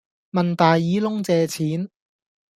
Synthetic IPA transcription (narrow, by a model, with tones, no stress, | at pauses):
mɐ˨nt̪aː˨jːiː˨˥lʊ˥ŋt͡sɛː˧t͡sʰiː˨˥n